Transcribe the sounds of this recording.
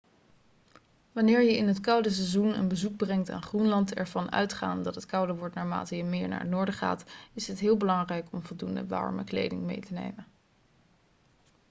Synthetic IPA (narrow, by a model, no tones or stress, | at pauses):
ʋɑnɪːɹjəɪnɦətkʌwdəs̬ɛzunə̰nbəzuɡ̚brɛŋta̰ːnχrunlɑntɛ̰ɹvɑnœ̰ɥtχa̰ːndɑtɦətkʌwdəʋɔɹtnaːɹma̰ːtəjəmɪːɹna̰ːɹətnʊːɹdəχa̰ːtɪsɦətɦɪːlˠbəlɑŋrɛjkɔmvɔlˠdundə̰ʋɑ̰ɹmə̰klḛjdɪ̰ŋmḛjtənḛjmə